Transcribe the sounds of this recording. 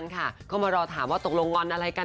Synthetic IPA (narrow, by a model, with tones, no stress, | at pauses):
nkʰa˥˩kʰɔː˥˩maː˧ɾɔː˧t̪ʰaː˩˦mwaː˥˩t̪o˨˩k̚lo˧ŋŋɔ˧nʔa˧ɾa˧jka˧